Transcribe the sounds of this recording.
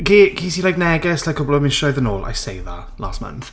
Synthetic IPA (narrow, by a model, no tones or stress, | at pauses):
kʰikʰiːsilajk̚nɛɡɛslajkʰɔblˠɔmɪʃɔɨðənoːlˠa̰jsejða̰ | la̰ːstmã̰nθ